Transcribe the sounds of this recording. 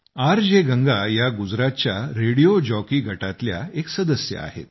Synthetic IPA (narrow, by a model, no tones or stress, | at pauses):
aɾd͡ʑeɡəŋɡajaɡud͡zɾat̪̚t͡ɕja̰ɾeɽijod͡ʑɔkiːɡʱəʈat̪lja̰eksəd̪əsjə̰a̰ɦḛt̪̚